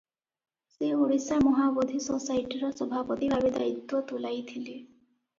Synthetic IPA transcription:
seuɾisaɾmɔɦabod̪ʱisosajʈiɾɔsɔbʱapɔt̪ibʱabed̪a̰it̪ːwɔt̪ulajt̪ʰile

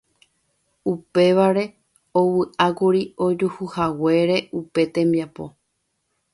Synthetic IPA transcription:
upe̞ʋaɾe̞ | owɨʔakuɾiod͡ʒuhuhawe̞ɾe̞ʔupe̞t̪ẽ̞mbiapo̞̰

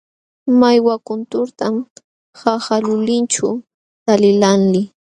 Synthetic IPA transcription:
majwakʊnt̪ʊɾt̪am | xahalʊlɪnt͡ʃʊ | t̪alɪlanlɪ

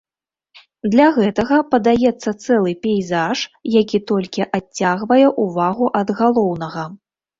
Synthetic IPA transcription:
d̪lʲaɣɛt̪ɐɣɐpɐd̪ajɛt̪sːɐt̪sɛlˠɨpʲɛjzaʂjakʲit̪ɔlʲkʲiʔat͡sʲːaɣvɐjɛʔuvaɣuʔɐd̪ɣalˠɔwnɐɣɐ

